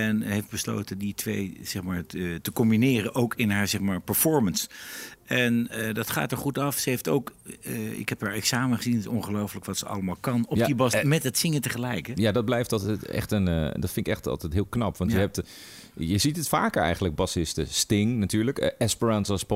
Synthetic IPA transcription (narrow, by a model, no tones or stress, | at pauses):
ɛnɦejfd̚bəslo̰wtəditʰʋejz̥ɛχmaːɹtəkɔmbinɪːrəʔowkɪnɦaːɹzɛχmaːɹpɛɹfɔɹməns | ɛnədɑtχa̰ːtəɹχutɑfsəɦejfto̰wk | ɪ̰kɦɛpɦaːɹɛksaːməχəzinɪsɔŋχəlowfələkʋɑtsəɑ̰ləmaːlˠkɑnɔibɑsmɛtɦətsɪŋətəχəlɛjkəjadɑd̚blɛjftɑlˠttɛ̰χtəndɔtfɪnɪkɛχtɑ̰lˠtɛjtɦɪːlˠknɑpʋɑnjəɦɛp̚t | jəzitətfa̰ːkəɹɛ̰jχənləɡ̚bɑsɪstə̰stɪŋnatyːɹləkʔɛspəɹansɔsp